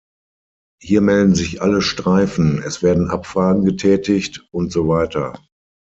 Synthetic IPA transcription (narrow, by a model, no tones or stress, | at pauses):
hiːɐmɛldn̩zɪçʔaləʃtʁ̥aɪfn̩ɛsv̥eːɐdn̩ʔapfʁ̥aːɡŋ̩ɡətʰɛːtɪçtʊntz̥ovaɪtɐ̰